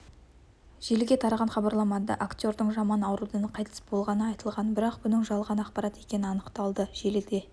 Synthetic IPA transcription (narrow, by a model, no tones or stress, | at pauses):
ʒ̥e̞lɡʲe̞t̪ʰɑɾɑʁɑnχɑbɑɾlˠɑmɑd̪ɑ̰ʔakt̪ʲo̞ɾd̪əɴʒɑmɑnɑwɾud̪ənqʰɑjt̪ʰə̥sbo̞lˠʁɑnəɑjt̪əlˠʁɑnbɪɾɑqbʊnəɴʒɑlˠʁɑnɑqpɑɾɑt̪e̞kʲe̞nɪɑnəqt̪ɑlˠd̪əʒ̥e̞lɪld̪e̞